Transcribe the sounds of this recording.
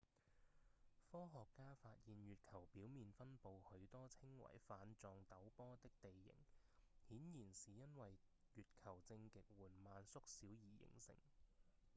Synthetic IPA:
fɔː˥ɦɔː˨kːaː˥faː˧t̚jiː˨njyː˨t̚kʰɐ˨˩wpiː˨˥wmiː˨˧nfɐ˥npo˨whɵ˨˧ɥt̪ɔː˥t͡sʰɪ˥ŋwɐ̰˨˩jfaː˨˧nt͡sɔː˨˧ŋt̪ɐ˨˥wpɔː˥t̪ɪ˥k̚t̪e˨jːɪ̰˨˩ŋhiː˨˥njiː˨˩nsiː˨˩jɐ˥nwɐ˨j | jyː˨t̚kʰɐ˨˩wt͡sɪ˧ŋkɪ˨k̚wuː˨˩nmaː˨˧nsʊ˥k̚siː˨˥wjiː˨˩jɪ̰˨˩ŋsɪ̰˨˩ŋ

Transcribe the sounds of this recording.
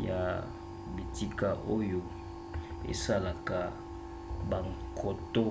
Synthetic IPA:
ja˨ | bi˨ti˦ka˨ʔo˦jo˦ | ḛ˨sa˦la˨ka˨ | ba˨ŋkʰo˨to˦

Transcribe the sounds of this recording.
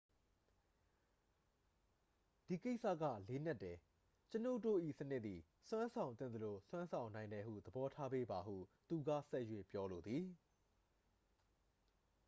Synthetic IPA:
d̥i˨ke˦ɪʔsä̰˦˨ɡä̰˦˨le˦n̥a˦˨tːɛ˨ | t͡ɕəno̰˦˨to̰˦˨ʔḭ˦˨sənɪ˦ʔ̪t̪i˨ | swã˦nsʰã˨ʊ̃nt̪θɪ̃˦˨nd̪ə˨lo˨swã˦nsʰã˨ʊ̃nã˨ɪ̃ndɛ˨hṵ˦˨d̪əbɔ˦tʰa˦be˦ba˨ɦṵ˦˨t̪u˨ɡa̰˦˨sɛ˦ʔjwḛ˦˨pjɔ˦lo˨d̪ði˨

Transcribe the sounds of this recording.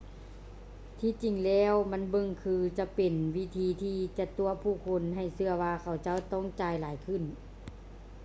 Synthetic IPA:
t̪ʰiː˧˥˨t͡ɕi˨˩ŋlɛː˧˥˩wma˧˥˨nbɤ˧ŋkʰɯː˧t͡ɕa˧pe˨˩nwi˦˧˥t̪ʰiː˧t̪ʰiː˧t͡ɕa˧˩t̪u˧ɐpʰuː˧˩kʰo˧˥nɦa˧˨˩jsɯ˧ɐwaː˧kʰa˨˧˩wt͡ɕa˧˥˨wt̪ɔ˧˥˨ŋt͡ɕaː˨˧jlaː˨˦jkʰɯ˧˩˨n

